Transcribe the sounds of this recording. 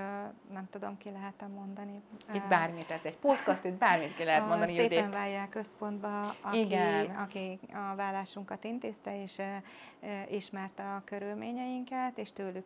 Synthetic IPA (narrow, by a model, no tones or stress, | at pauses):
nɛmt̪ud̪o̞̰mkilɛɦɛt̪ɛmːo̞nd̪ɒniibaːrmit̪ɛzɛɟpo̞t̪kɒst̪it̪̚baːrmit̪kilɛɦɛt̪mond̪ɒnieːd̪eɛɱvaːjːaːkːø̞spo̞nd̪bɒɒiɡɛnɒkiɒvaːlːaːʃuŋkɒt̪int̪eːst̪ɛeːʃ | ʔiʃmɛrt̪ɒkø̞ɾylmeːɲɛjiŋkɛt̪eːʃt̪øːlyk